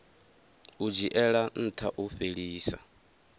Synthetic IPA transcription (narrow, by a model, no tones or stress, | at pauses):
ud͡ʒiʔɛɺan̩t̪ʰaʔuɸeɺiːsa̰